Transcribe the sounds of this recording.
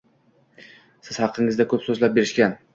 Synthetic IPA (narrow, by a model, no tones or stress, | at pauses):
sɪz̥hɑqʰːɪŋɪzd̪akʰɵpsɵzlap̚be̞ɾɪʃkʲan